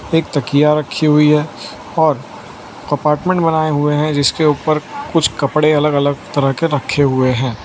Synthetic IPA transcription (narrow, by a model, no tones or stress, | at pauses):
eːk̚t̪ɐkijaɾɐkʰːiɦʊiɦɛː | ɔːɾ | kɐpaːɾʈmɛ̃ɳʈbɐnaːeɦʊeɦɛ̃d͡ʒɪskeuːpəɾkʊt͡ʃʰkɐpɽeɐləɡɐləɡ̚t̪ɐɾəɦkeɾɐkʰːeɦʊeɦɛ̃ː